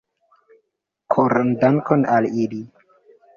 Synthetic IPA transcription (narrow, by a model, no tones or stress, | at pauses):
kʰoɾondaŋkʰonalili